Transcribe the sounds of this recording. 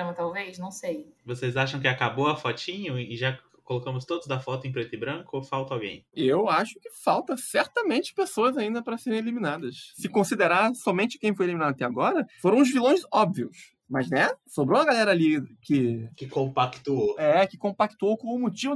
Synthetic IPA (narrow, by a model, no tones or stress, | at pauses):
ɐ̃mɐt̪awvejʃnɐ̃w̃sejvosezaʃɐ̃w̃kɪakaboɐfɔt͡ʃĩɲɐ̃ɪʒa | kolokɐ̃mʊst̪od̪ʊzd̪ɐfɔt̪ʊẽpɾet̪ɪbɾɐ̃kʊfawt̪ɐawɡḛ̃j̃ewaʃʊ̥kɪfawt̪ɐsɛɾt̪ɐmẽnt͡ʃɪ̥pesoɐzaĩnd̪ɐpɾɐseɾẽeliminad̪ɐsːɪkõsid̪eɾaɾsɔmẽnt͡ʃɪ̥kẽj̃fojeliminad̪ɐat̪ɛaɡɔɾɐfoɾɐ̃w̃ʊzvilõj̃zɔbviʊs | mɐznɛsobɾõɐɡalɛɾɐalikɪkɪkõpakt̪uoɛkɪkõmpak̚t̪uowkõw̃ʊmot͡ʃivʊ